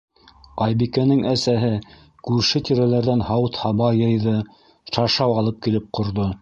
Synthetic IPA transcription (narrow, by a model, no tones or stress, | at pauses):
qɑjbikænɘŋæsæɦɘ | kʉɾʃɘt̪iɾælæɾðænhɑwt̪hɑβɑjɤ̆jðɤ | ʃɑʃɑwɑlˠɤp̚kilɘp̚qʰŏɾðo